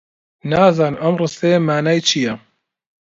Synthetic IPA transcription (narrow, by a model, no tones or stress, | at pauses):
naːzaːnɨmɐmrɨst̪emaːnajt͡ʃʰijɛ